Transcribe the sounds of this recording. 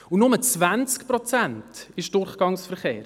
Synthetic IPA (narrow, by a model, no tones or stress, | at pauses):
unʊmət͡svænt͡skprɔt͡sæntɪʃd̥ʊɾχɡ̥ɑŋsfəɾχeːɾ